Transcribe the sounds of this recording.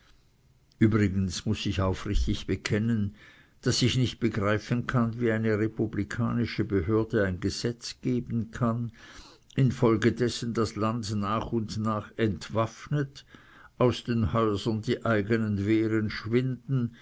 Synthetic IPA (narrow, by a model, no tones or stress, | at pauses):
ʔyːbʁɪɡən̩smʊsɪçaʊfʁɪçtɪçb̥əkʰɛnən | d̥asɪçnɪçt̚b̥əɡʁaɪfənkʰanviaɪnəʁepublikʰa̰ːnɪʃəbəhøːɐdəaɪnɡəz̥ɛt͡sɡ̥eːbn̩kʰan | ɪnfɔlɡədɛsən̩d̥aslandnaːχʊndnaːχɛntv̥afnət | ʔaʊsd̥eːnhɔʏzɐndiːʔaɪɡənənveːʁənʃvɪndn̩